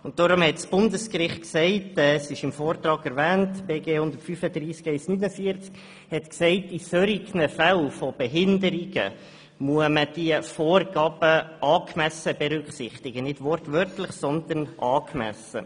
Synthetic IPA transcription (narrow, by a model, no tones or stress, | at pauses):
ʊnt̚dɔɾʊmhɛtsb̥ʊndəskrɪχt̚ksɛɪtɛsɪʃɪmfoːɾt̪ɾɑːɡɛɾvɛːntb̥eːɡeːhʊnd̪ətfyfəd̪ɾiːskɛɪsnyːnəfiəɾt͡sk | hɛtksɛɪtisøɾiɡnəfælfob̥ɛɦɪndəɾiɡ̥ə̰ | muəməd̥iəfoːrɡ̥ɑːb̥əʔɑːkmɛsəb̥ɛɾʏkχsɪ̰χtɪɡ̥ənɪdʋɔɾtʋœɾtləχsɔnd̪ənʔɑːkmɛ̰sə̰